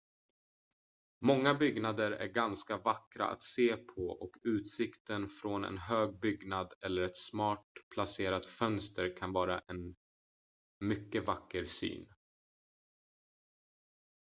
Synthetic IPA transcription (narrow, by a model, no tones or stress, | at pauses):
mɔŋːabʏɡnad̪əɾæ̰ɾɡanskavakɾa̰ʔa̰t̪seːpʰɔʔɔkʉ̟ːt̪sɪkt̪ənfɾɔnɛ̰nɦøːɡ̚bʏɡnad̪ɛlːəɾɛt̪smɑːʈ̚pʰlaseːɾat̪fœnst̪əɾkʰanvɑːɾaʔɛn | mʏkːəvakːəɾsy̰ːn